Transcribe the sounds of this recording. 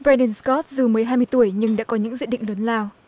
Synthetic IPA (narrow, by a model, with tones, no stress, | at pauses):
bɾa˧ni˧˩nskɔ˦˥t̚zɨ˨˩məː˨˦jɦaː˧jmɨ˧əjt̪u˧˩əjɲɨ˧ŋɗa̰ː˧˥kɔ˨˦ɲɨ̰˧˥ŋzḭ˧˨ɗḭ˧˨ŋ̟ləː˨˦nlaː˧w